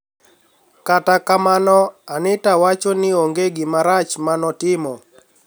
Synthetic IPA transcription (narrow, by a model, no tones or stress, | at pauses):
katakamanɔanɪtawat͡ʃonɪoŋɡeɡɪmaɾat͡ʃmanɔtɪmɔ